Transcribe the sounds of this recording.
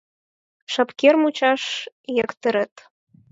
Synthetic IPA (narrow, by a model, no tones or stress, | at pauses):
ʃɑpkermut͡ɕɑʃ | jekt̪ə̆ɾə̆t̪